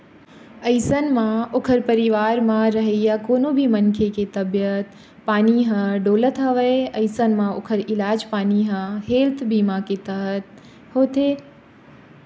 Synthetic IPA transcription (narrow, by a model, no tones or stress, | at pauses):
ɐɪsənmãokʰəɾpəɾiʋaːɾmãɾəɦejakoːnobʱimənkʰeket̪ɐbjət̪ | paːniɦə̃ɖoːlət̪ɦɐʋəeɐɪsənmãokʰəɾɪlaːd͡ʒpaːniɦə̃ɦeːlt̪ʰbimãket̪əɦət̪̚ | hoːt̪e